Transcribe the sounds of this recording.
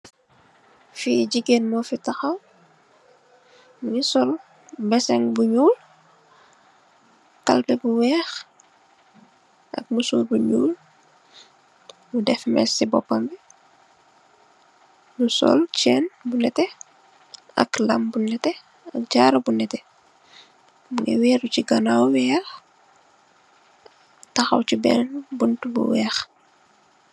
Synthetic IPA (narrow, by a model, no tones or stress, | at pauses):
fiɟiɡenmɔfitaxɐw | mnisɔl | bɛsɛŋbuɲuːl | ka̰lbɛbuwɛːx | ʔɐ̰k̚musuːlbuɲuːl | mudɛfmɛ̰sibɔpːambi | musɔ̰lt͡ʃɛːnbunɛtɛ | ɐ̰klɐmbunɛtɛ | ɐk̚ɟaːɾɐbunɛtɛ | muŋɡɛwɛːɾuciɡɐnawwɛːɾ | tɐxɐ̰wcibɛ̰nbuntbṵwɛːx